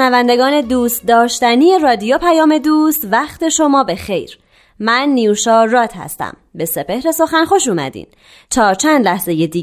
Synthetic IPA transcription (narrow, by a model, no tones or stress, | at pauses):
nævænd̪e̞ɡɒːne̞d̪uːst̪̚d̪ɒːʃt̪ænije̞rɒːd̪ijo̞pʰæjɒːme̞d̪uːst̪væxt̪ʰe̞ʃo̞mɒːbe̞xe̞jɾ | mænːijuʃɒːɾɒːt̪ʰhæ̰st̪æ̰mbe̞se̞pe̞hɾe̞so̞xænxo̞ʃuːmæ̰d̪ḭːn | t͡ʃʰɒːɾt͡ʃʰænd̪læhze̞je̞d̪iː